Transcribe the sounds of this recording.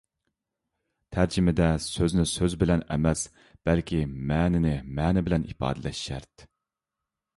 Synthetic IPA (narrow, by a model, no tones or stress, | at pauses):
t̪ʰæɾd͡ʒɪmɪd̪ɛsøznɪsøzbɪlɛnɛ̰mɛs | b̥ɛlkʲimɛːnɪnɪmɛːnɪbɪlɛnipɑ̰ːd̪ɪlɛʃːæɾt̪